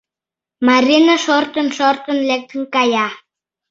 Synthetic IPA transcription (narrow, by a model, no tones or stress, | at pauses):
maɾʲinaʃort̪ənʃort̪ə̆nlek̚t̪ʰəŋkaja